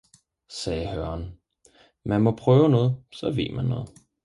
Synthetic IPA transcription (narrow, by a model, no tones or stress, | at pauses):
sɛːhœɐn | mænmɒ̽pʰʁœːʊnɔ̽ːð̞̩ˠsɒ̽ʋe̝̰ːmænːɔ̽ːð̩ˠ